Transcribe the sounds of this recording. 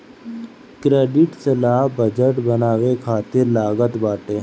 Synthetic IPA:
kɾeːɖɪʈsɐlaːɦbəd͡ʒəʈbənaːwekʰaːt̪ɪɾlaːɡət̪baːʈe

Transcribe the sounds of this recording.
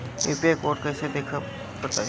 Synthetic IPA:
eːpiakoːɾʈ̚kɐːsed̪eːkʰa | bɐt̪aː

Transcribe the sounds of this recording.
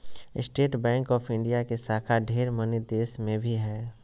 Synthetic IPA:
ɪ̰sʈeːʈbɛ̃ːŋkɔːpʰɪ̃ɳɖijakesaːkʰaɖʱeːɾmənid̪eːsmẽbʱiɦɛː

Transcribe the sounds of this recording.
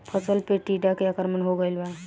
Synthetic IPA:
pʰət͡səlpeʈiʈakeakəɾmənɦoɡəilba

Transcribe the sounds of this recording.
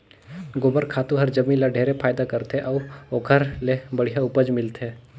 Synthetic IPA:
ɡoːbəɾkʰaːt̪ũɦɐɾd͡ʒəmĩlaɖʱeːɾepʰaːjd̪akəɾt̪eʔɔːoːkʰəɾlebəɽ̤ijaʊpəd͡ʒmɪlt̪eː

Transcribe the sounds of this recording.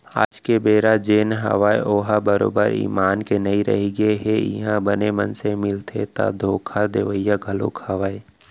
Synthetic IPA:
a̰ːd͡ʒkebeːɾad͡ʒeːnɦə̰ʋaːeʔoːɦabəɾo̰ːbə̰ɾḭːmaːnkenɐiɾɐ̰ɦiɡəeɦeɪ̰ɦãbənemə̃nsemɪlt̪ʰḛt̪a̰d̪ʱoːkʰad̪eʋəjːaɡʱəlo̰kʰɐʋaːe

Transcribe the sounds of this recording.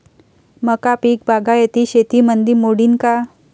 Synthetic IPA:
məkapiːk̚bʱaɡajet̪iɕet̪imənd̪imoɽinka

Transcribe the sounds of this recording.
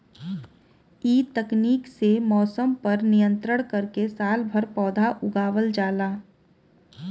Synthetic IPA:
iːt̪ɐkniːksemɔːsəmpɐɾnijə̃nt̪ɾəɽ̃kɐɾkesaːlbʱɐɾpɔːd̪ʱaʔʊɡaːʋəld͡ʒaːlaː

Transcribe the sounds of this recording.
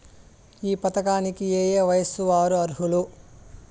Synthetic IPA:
iːpɐt̪ɐkaːnikieːjeːʋɐjɐsuʋaːɾuɐɾɦulu

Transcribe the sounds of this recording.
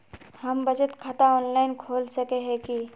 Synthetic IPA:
həmbəd͡ʒət̪kʰat̪aɔːnlaɪnkʰoːlsəkeɦɛ̃ki

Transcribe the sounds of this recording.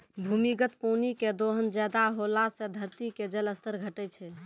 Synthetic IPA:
bʱumiɡət̪̚poniked̪oɦənd͡ʒɛd̪aɦolased̪ʱəɾt̪iked͡ʒələst̪əɾɡʱəʈɛt͡ʃʰɛ

